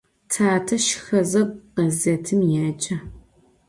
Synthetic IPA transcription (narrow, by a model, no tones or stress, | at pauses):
tʰaːtʰɐʃɪ̥xɐzɐb̚ʷqɐzɐtʰɨmjaːt͡ʃʼɐ